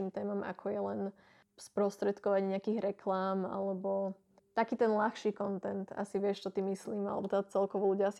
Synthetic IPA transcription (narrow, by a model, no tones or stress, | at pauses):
imt̪ɛːmama̰kʰɔjɛlɛn | spɾɔst̪ɾɛt̪kɔʋaɟɲɛakiːɣɾɛkʰlaːma̰lɛbɔ | t̪akiːt̪ɛnlaxʃiːkɔnt̪ɛnt̪a̰siʋɪɛʃt͡ʃɔt̪imisliːma̰lɛ̰bɔt̪at͡sɛlkɔʋɔluɟɪaas